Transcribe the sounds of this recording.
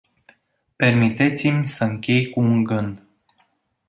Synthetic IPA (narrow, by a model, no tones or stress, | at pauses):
pe̞rmit̪et̪simʲsəɨŋkʲe̞jkuːnɡɨnd̪